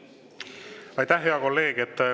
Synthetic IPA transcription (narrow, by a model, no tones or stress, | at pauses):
ɑjt̪æhɦe̞ɑko̞lːe̞ːɡ̥et̪ː